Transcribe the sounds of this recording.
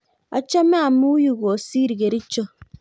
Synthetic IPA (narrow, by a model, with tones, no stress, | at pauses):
a̰˨t͡ʃɔ˦me˦a˨mu˦ju˦˨ɣo˨si˦ɾi˨ɣe˨ɾi˦t͡ʃo˦